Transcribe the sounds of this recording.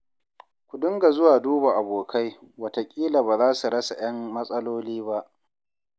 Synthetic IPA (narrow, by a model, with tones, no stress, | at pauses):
kʷʊ˨dʊ˦ŋɡa˨zʊ˦waː˨duː˦ba˨ʔa˨boː˨kʰa˦jwɐ˨ta˨kʲʼiː˦la˨baː˨zaː˦su˨ɽɐ˦sa˨j̰ɐ˦mmɐ˦sʼɐ˦loː˦liː˦ba˦ʔ